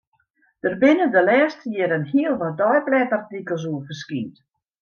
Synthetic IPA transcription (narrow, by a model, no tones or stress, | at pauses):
d̥ərbɪnədəlɛːstʰəjɪɾənhiəlˠʋɔdɔjblɛtərtikəlˠs̬uəfərskiːt